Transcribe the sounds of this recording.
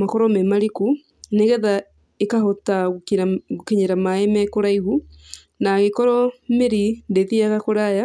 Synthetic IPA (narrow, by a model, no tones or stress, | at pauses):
makɔɾɔmemaɾiku | neɣɛða | ekahota | ɣokeɲeɾamaemɛkoɾaiɣu | naɣekɔɾɔmeɾindeðiaɣakoɾaja